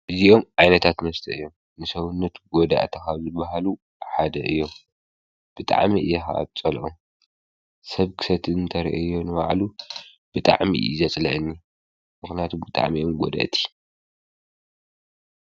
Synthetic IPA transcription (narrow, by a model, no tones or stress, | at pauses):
ʔɨzio̞mʕajnɐt̪ʰat̪mɐst̪ʰɐɨjːom | nɨsɐwunːɐt̪ɡod̪a̰ʔt̪ʰɐkazɨbaɦalu | ħad̪ɐʔɨjːom | b̥ɨt̪ʼa̰ʕmiʔɨjːɛxa̰a̰βt͡sʼɐlʔom | sɐβkʰɨ̥sɐt̪ʰɨɨnt̪ʰɐɾiʔɐ̰ɨjːonɨβa̰ʕlu | b̥ɨt̪ʼa̰ʕmḭʔzɐt͡sʼlɐ̰ʔɨnːi | mɨxnijat̪ʰubɨt̪ʼa̰ʕmiʔomɡo̰d̪a̰ʔt̪ʰi̥